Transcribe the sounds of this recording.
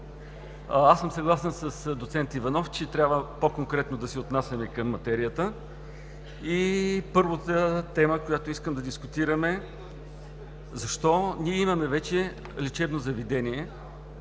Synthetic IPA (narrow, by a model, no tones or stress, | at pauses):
asəmsɐɡlˠasɛnsəsd̪ot̪sɛnt̪ivɐnɔft͡ʃɛt̪ɾʲjabvəpokoŋkɾɛt̪nod̪ɐsiot̪nasʲɐmɛkɐmːɐt̪ɛɾijət̪ə | ipɤɾvət̪ət̪ɛməkojat̪oiskəmd̪ɐd̪iskʊt̪iɾəmɛ | zɐʃt̪ɔniɛimɐmɛvɛt͡ʃɛ | lit͡ʃɛbnozɐvid̪ɛniɛ